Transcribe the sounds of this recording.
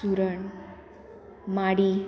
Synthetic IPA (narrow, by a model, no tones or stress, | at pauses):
uɾəɳ | maɽi